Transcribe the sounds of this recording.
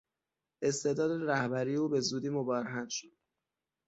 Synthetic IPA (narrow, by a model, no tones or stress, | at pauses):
ʔe̞st̪e̞d̪ɒːd̪eɾæhbæɾiːeuːbe̞zuːd̪iːmobɒːɾeɦænd̪ʃod̪̥